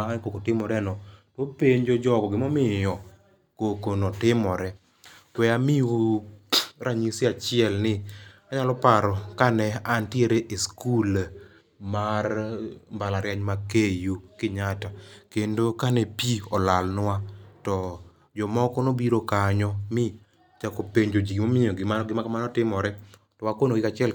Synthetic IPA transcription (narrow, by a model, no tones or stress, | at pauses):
ankokotɪmɔɾɛnɔtɔpeɲd͡ʒɔd͡ʒɔkɔɡɪmɔmɪjɔ | kokonɔtɪmɔɾɛ | kwɛamɪu | ɾaɲisiat͡ʃɪɛlnɪaɲalɔpaɾɔkanɛantjeɾeʔiskul | marmbalaɾjaɲmakejukɪɲatakendokanɛpiɔlalnwatɔ | d͡ʒɔmɔkɔnobiɾokaɲɔmɪ | t͡ʃakopeɲd͡ʒod͡ʒiɡimomɪoɡɪmanɔɡɪmakamanɔtɪmɔɾɛ | tɔwakonoɡɪkat͡ʃɪɛl